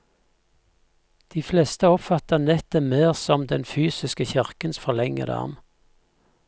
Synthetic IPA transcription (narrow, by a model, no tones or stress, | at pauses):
d̪̥iːfleːst̪əɔpfɑt̪ənɛt̪əmeːʁsɔmd̪ɛnfyːsɪskəçɪʁkənsfɔʁlɛŋə̰d̪ɑ̰ʁm